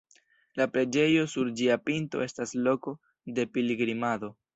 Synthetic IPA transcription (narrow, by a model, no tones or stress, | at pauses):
lapɾe̞d͡ʒe̞jo̞suɾd͡ʒiapinto̞̰e̞staslo̞ko̞ | de̞piliɡɾimado̞